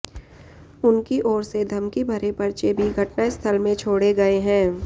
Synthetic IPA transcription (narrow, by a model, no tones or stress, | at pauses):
ʊnkiʔɔːɾsed̪ʱɐmkibʱɐɾepɐɾt͡ʃebʱiɡʱɐʈnaest̪ʰəlmẽt͡ʃʰoːɽeɡɐeɦɛ̃ː